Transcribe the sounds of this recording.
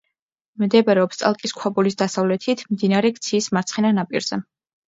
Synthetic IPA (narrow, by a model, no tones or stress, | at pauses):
md̪ɛbaɾɛɔpst̪ʼa̰lˠkʼiskʰwabulisd̪asavlɛt̪ʰit̪ʰmd̪inaɾɛkt̪sʰiːsmaɾt̪sʰχɛnanapʼiɾz̥ɛ